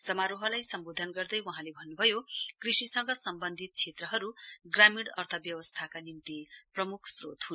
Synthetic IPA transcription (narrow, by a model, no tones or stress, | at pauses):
sʌmaɾoɦʌlajsʌmbod̪ʱʌnɡʌrd̪ʌjwaɦãlebʱʌnːubʱʌjokrisisʌŋɡʌsʌmbʌnd̪ʱit̪̚t͡sʰet̪rʌɦʌɾuɡramiɽʌrt̪ʰʌbjʌwʌst̪ʰakanint̪iprʌmukʰsrot̪ɦun